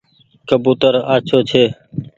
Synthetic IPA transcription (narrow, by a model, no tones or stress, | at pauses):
kəbuːt̪əɾaːt͡ʃʰoːt͡ʃʰeː